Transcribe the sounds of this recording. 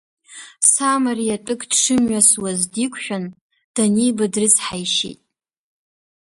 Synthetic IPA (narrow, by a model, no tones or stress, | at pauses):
samarijatʼɨkʼdʂʰɨmɥaswazdikʷʰʼʃᶣan | d̥anijbadrɨt͡sħajʃḛjtʼ